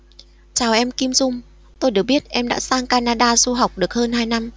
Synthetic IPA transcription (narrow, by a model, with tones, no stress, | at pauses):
t͡ɕaː˨˩wʔɛ˧mki˧mzʊ˧ŋ͡m | t̪o˧jɗɨ˨˩ək̚ɓi˦˥ət̚ʔɛ˧mɗa̰ː˧˥saː˧ŋkaː˧naː˧ɗaː˧zu˧ɦa˨˩wk͡p̚ɗɨ˨˩ək̚həː˧nɦaː˧jna˧m